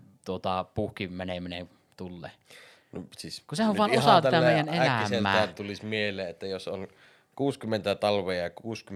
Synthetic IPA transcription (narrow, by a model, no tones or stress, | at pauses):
t̪uot̪ɑpuhkimæneminḛ | t̪ulːḛː | no̰siskusehæʋʋɑːˑnʔossɑt̪iæt̪æmeˑjænelæseːæ̰ːæːt̪ulismielˑeːʔet̪ːæjoso̰n | kuːskymːˑent̪æt̪ɑlʋeːjɑkuːsky